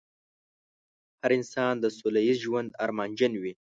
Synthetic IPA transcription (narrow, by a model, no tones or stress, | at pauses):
haɾɪnsɑnd̪əsulaizʒwand̪aɾmɑnd͡ʒanwi